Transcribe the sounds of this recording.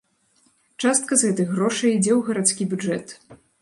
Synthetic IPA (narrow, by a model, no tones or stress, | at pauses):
t͡ʂast̪̚kɐzɣɛt̪ɐjɣɾɔʂɐjid͡zʲɛwɣɐɾat̪skʲibʲud͡ʐɛt̪